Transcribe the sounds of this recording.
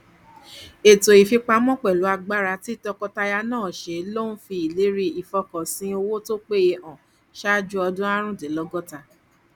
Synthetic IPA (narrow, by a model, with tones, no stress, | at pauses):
e˨to˨i˨fi˧k͡pa˧mɔ̃˦k͡pɛ˨lo˨˦a˧ɡ͡ba˦ɾa˧ti˦tɔ˧kɔ˧ta˧ja˧nãː˦˨ʃe˨˦lo˦ñ̩˦fi˧i˨le˨˦ɾi˧i˨fɔ˧kɔ˨sĩ˨˦o˧wo˦to˦k͡pe˦˧ɔ̃˨ | ʃa˦d͡ʒu˦ɔ˧dũ˦a˦ɾ̃ũ˦de˨˦lɔ˦ɡɔ˦ta˧